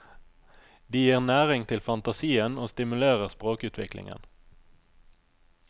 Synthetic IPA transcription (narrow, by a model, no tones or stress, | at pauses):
d̪iːjiːʁnæːʁɪŋt̪ʰɪlfɑnt̪ɑsiːənoːst̪ɪmʉleːʁəʁspʁoːkʉːt̪ʰʋɪklɪ̰ŋə̰n